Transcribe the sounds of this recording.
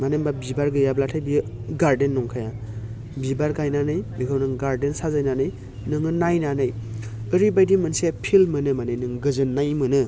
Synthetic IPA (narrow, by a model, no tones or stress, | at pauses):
manembabibaɾɡɯjablatʰajbiɯ | ɡaɾdenːɔŋkʰaja | bibaɾɡajnanɯjbikʰawnɯŋɡaɾdensazajnanɯj | nɯŋɯnajnanɯj | ɯɾibajdimɯnsepʰilmɯnɯmanɯjnɯŋɡɯzɯnːajmɯnɯ